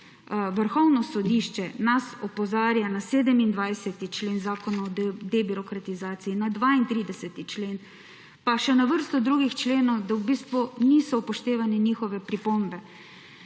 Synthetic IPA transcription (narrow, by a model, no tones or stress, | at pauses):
ʋəɾxɔwnɔsɔd̪iːʃt͡ʃɛnasɔpɔzaːɾjanaseːd̪ɛmind̪ʋajsɛt̪it͡ʃleːnzaːkɔnaɔd̪ɛbiɾɔkɾat̪izaːt̪siinad̪ʋaːint̪ɾiːd̪ɛsɛt̪it͡ʃleːn | paʃɛnaʋəɾst̪ɔd̪ɾuːɡixt͡ʃleːnɔwd̪awbiːst̪ʋuniːsɔpɔʃt̪eːʋanɛniːxɔʋɛpɾipombɛ